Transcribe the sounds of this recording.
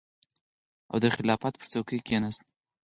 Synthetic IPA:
a̰wd̪əxɪlɑfat̪pəɾt͡sawkəjkʲenast̪

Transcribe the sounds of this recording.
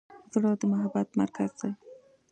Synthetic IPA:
zɽɑd̪əmʊɦabat̪maɾkazd̪a

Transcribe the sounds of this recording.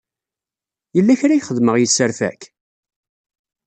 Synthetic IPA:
jəlːæçɾæjχəðməʁjisːəɾfæ̰k

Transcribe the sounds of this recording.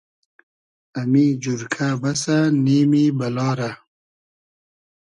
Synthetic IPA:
amid͡ʑuɾkʰabasaniːmibɐlɑːɾa

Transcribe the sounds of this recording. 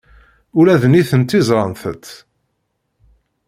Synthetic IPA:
ʊlæðniθənt̪ːizˤɾˤənθə̰t̪ː

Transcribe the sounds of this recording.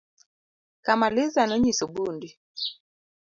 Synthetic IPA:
kamalɪzanɔɲisobundi

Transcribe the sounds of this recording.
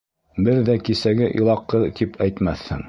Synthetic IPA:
bɘɾðækisæɡɘʔilˠɑqːɤt̪ipʰæjt̪mæθhɘ̰ŋ

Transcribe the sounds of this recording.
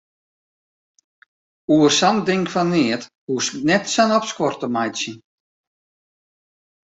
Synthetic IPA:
uərsandɪŋkfanːɪət | husnɛtsanɔpskwɔrtəmajtsjən

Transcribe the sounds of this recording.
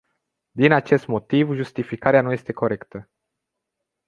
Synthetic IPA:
d̪inat͡ʃe̞st̪mo̞t̪ivʒust̪ifikaɾeanuje̞st̪e̞ko̞ɾe̞kt̪ə

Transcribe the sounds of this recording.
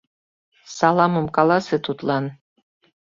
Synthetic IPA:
sɑlˠɑmə̆mkɑlˠɑset̪ʰut̪lˠɑn

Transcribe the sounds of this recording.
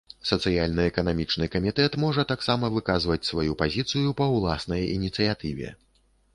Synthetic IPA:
sɐt̪sɨjalʲnɨɛkɐnamʲit͡ʂnɨkɐmʲit̪ɛt̪mɔʐɐt̪aksamɐvɨkazvɐt͡sʲsvajupazʲit̪sɨjupɐwlˠasnɐjḭnʲit̪sɨjat̪ɨvʲɛ̰

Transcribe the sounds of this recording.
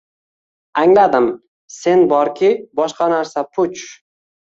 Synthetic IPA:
aŋlad̪ɪm | se̞nbɒɾkʲʰɪbɒʃqɑnaɾsapʰʊt͡ʃ

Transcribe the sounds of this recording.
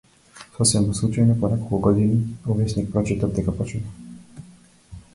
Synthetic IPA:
sɔsɛmuslˠut͡ʃajnɔpɔnɛkɔlˠkuɡɔd̪iniuvɛsnik̚pɾɔt͡ʃɛt̪ɔbd̪ɛkapɔt͡ʃnɛ

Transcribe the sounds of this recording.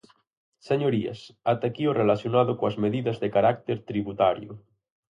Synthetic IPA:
seɲoɾia̰sat̪akiorelasjonað̞okoazmeðiðazðekaɾak̚t̪eɾt̪ɾiβut̪aɾjo̰

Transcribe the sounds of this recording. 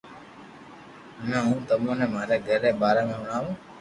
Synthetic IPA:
nãːɦũːt̪əmõːnẽːmaːɾeːɡʱəɾeːɓaːɾeːmẽːɦʊɽ̃aːʋũː

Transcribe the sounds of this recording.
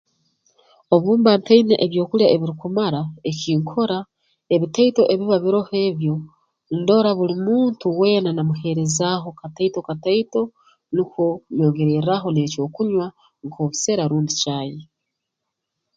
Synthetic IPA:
o̞βuːmbaːnteinḛʔeβjo̞ːkuljaeβiɾikumaɾaeciːŋkʰo̞ɾa | e̞βitaito̞ʔe̞βiβaβiɾo̞he̞ːβjo̞ | ndo̞ɾaβulimuːntuwenanamuhe̞ɾe̞zaɦo̞kataitokataito̞ | nikoɲo̞ːŋɡe̞ɾeɾaɦo̞ne̞co̞ːkuɲwa | ŋkʰoβuse̞ɾaɾuːndicaːje

